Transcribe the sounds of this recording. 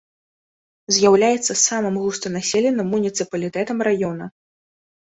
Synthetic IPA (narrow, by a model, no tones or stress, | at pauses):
zʲjawlʲajɛt̪sːɐsamɨmɣust̪ɨnasʲɛlʲɛnɨmːunʲit̪sɨpɐlʲit̪ɛt̪ɐmrajɔnɐ